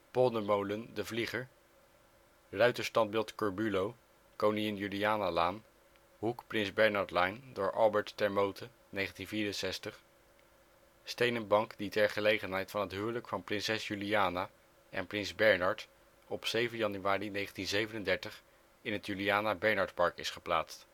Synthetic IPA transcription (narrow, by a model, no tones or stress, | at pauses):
pɔlˠdəmowləndəvliχəɹ | rœɥtəstɑnd̚bɪlˠtkɔɹbylow | kowniɪnjyliaːnalaːn | ɦukprɪnzbɛɹnɑɹtlɑjndʊːɹʔɑ̰lˠbɛɹtːɛɹmowtə | nejχəntinviːɾənsɛstəχ | stejnənbɑŋkditɛɹχəlejχənɦɛjtfɑnɦətɦyːɹləkfɑnprɪnsɛsjyliaːna | ʔɛ̰nprɪnzbɛɹnɑɹt | ɔpsejvənjɑnyaːrinejχəntinzejvənəndɛɹtəχ | ɪnɦətjyliaːnabɛɹnɑɹtpɑɹkɪ̰sχəpla̰ːtst